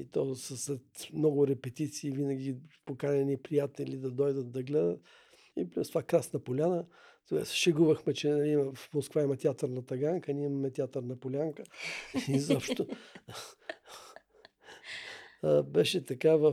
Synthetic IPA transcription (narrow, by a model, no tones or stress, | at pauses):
it̪ɔsəslɛt̪mnɔɡʊɾɛpɛt̪it̪siːvinɐɡʲipokalʲɐnipɾijat̪ɛlid̪ɐd̪ɔjd̪ət̪̚d̪ɐɡlɛd̪ət̪ | iplʲust̪vakɾasnɐpolʲanət̪ɡasʃɛɡuvəxmɛt͡ʃɛnɐimɐfmoskvaimɐt̪ʲat̪ɐɾnɐt̪ɐɡaŋkənʲiɛimɐmɛt̪ʲiat̪ɐɾnɐpolʲaŋkəizɔpʃt̪o | bɛʃɛt̪ɐkavə